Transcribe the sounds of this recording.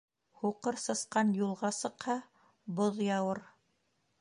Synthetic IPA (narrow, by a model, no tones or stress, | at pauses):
huqɤɾsɤ̆sqɑnjulˠʁɑsɤ̆qhɑ | boðjɑwɤɾ